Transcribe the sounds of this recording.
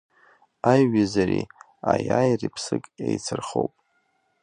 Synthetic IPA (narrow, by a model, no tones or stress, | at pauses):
ajɥazari | ajajripʰsɨkʼejt͡sʰɨrχowpʼ